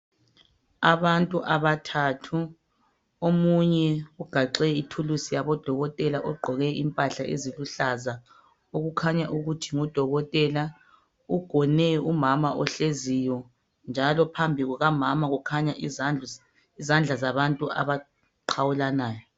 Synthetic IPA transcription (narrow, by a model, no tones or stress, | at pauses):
aβantʼuʔaβatʰatʰu | omuɲɛuɡ̥ʱaǃɛitʰulusijaβɔd̥ʱɔɣɔtʼɛlaʔɔɡ͡ǃʱɔɣɛimpʼaɬaʔḛziluɬaza | oɣukʰaɲaʔuɣutʰiŋɔd̥ʱɔɣɔtʼɛla | uɡ̥ʱɔnɛumamaʔɔɬezijɔ | nd͡ʒʱalɔpʰambʱiɣuɣamamaɣukʰaɲa | izand͡ɮʱazaβantʼua̰βa | ǃʰawulanaːjɔ